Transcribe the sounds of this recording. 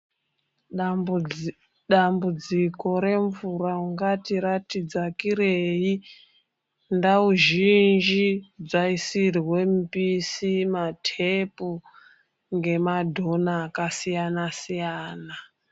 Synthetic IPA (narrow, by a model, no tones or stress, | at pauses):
ɗambud͡ziko̞ɾe̞ɱvuɾauŋɡatiɾatid͡zakiɾei | ndauʒind͡ʒid͡zaisirwe̞mpisimatʰepu | ŋɡe̞madʱo̞naːkasijanasijaːna